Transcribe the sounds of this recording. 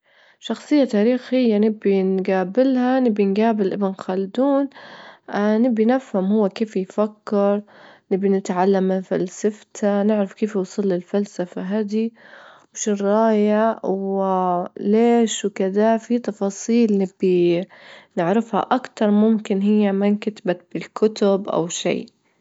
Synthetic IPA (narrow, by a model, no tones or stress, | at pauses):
ʃɑxsˤɨjːat̪aːɾiːxhɪjːanɪbːinɡaːbɪlhanɪbːinɡaːbɪlʔɪbɪnxald̪uːn | nɪbːinafhamhʊwːakeːfjfakːɪɾˤnɪbːinɪt̪ʕalːamːɪnfalsaft̪anɪʕɾɪfkeːfjuːsˤɨlːɪlfalsafaɦad̪i | wʃʊrˤːɑːjaw | leːʃwkɪd̪afit̪ɑfɑːsˤiːlnɪbːi | nɪʕɾɪfha̰ʔakt̪ɑɾˤmʊmkɪnɦɪjːamankat̪bat̪̚b̥ɪlkʰʊt̪ʊbʔa̰wʃḭː